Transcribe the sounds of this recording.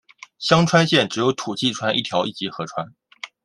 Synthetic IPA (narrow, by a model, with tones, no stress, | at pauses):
ɕjɑ˥ŋʈ͡ʂʰwa˥nɕjɛ˥˩nʈ͡ʂɻ̩˨˩jo˧˥ʊt̪ʰu˨˩t͡ɕi˥˩ʈ͡ʂʰwa˥ni˥˩jɑ˧˥ʊʔi˥˩t͡ɕi˧˥xɤ˧˥ʈ͡ʂʰwa˥n